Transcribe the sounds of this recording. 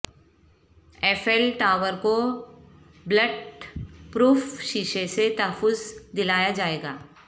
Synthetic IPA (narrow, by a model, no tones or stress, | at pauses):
ɛːfɛːlʈaːʋəɾko | bləɖpɾuːfʃiːʃeset̪ɐɦəfʊzd̪ɪlaːjad͡ʒaːeːɡaː